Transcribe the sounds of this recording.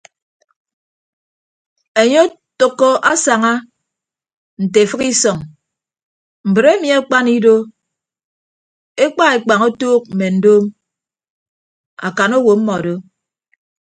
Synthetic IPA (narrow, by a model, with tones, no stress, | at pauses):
e˨ɲo˦ | to˨kːɔ˦ʔa˦sa˨ŋa˦ | n̩˨te˨fɨ˦ki˦sɔ˨ŋ | m̩˨bɨ˨ɾe˦mi˨a˦k͡pa˦ni˦do˦ | e˦k͡pa˦e˨k͡pa˨ŋo˦toː˦k̚m̩˨me˨n̩˨doː˦m | a̰˨ka˨no˦wo˨m̩˦mɔ˨a˨do˦